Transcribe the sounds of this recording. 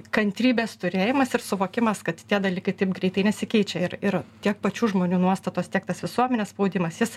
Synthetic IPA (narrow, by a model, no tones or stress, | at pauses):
kɐnʲt̪ʲɾʲiːbʲeːst̪ʊɾʲeːjɪmɐsɪɾsʊʋoːkʲɪmɐskɐt̪t̪ʲiɛd̪ɐlʲiːkɐɪt̪ɐɪp̚ɡɾʲɛɪt̪ɐɪnʲɛsʲɪkʲɛɪt͡ʃʲɛɪɾɪɾt̪ʲiɛk̚pɐt͡ʃʲuːʒmoːnʲuːnuɔst̪ɐt̪oːst̪ʲiɛkt̪ɐsʋʲɪsuɔmʲɛnʲeːspɐʊd̪ʲɪmɐsjɪs